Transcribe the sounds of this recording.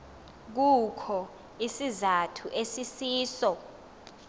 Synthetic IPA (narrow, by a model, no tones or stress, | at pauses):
k̬ukʰɔ | isizatʰuʔesisiːsɔ